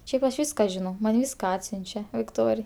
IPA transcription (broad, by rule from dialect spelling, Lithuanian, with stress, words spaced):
ˈʃʲɛɪp ɐʃ ˈʋʲiːskɐ ʒʲɪˈnɐʊ mɐn ˈʋʲiːskɐ ˈɑːtʲsʲʊnʲt͡ʃʲɛ ʋʲɪkˈtoːrʲɪj